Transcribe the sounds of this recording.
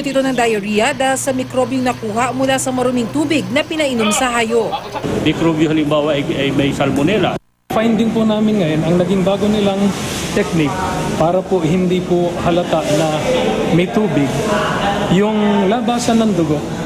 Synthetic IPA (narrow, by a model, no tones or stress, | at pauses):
t̪ɪt̪nɐŋd̪ɐjɐɾijɐd̪aːhɪlsɐmɪkɾobjʊŋnɐkuːhɐʔmʊlasɐmɐɾʊmɪŋt̪uːbɪɡ̚nɐpɪnɐʔɪnomsɐhaːjoʔmɪkɾobjohɐlɪmbaːwɐʔɐjɐjmɐjsɐlmʊnɛlɐ̰ | fajnd̪ɪŋpʊnaːmɪnŋɐjonɐŋnɐɡɪŋbaːɡonɪlaŋt̪ɛk̚nɪk̚ | paːɾɐpoʔhɪnd̪ipohɐlɐt̪aʔnɐmɐjt̪uːbɪɡ̚ | jʊŋlabaːsɐnːɐŋd̪ʊɡo̞ʔ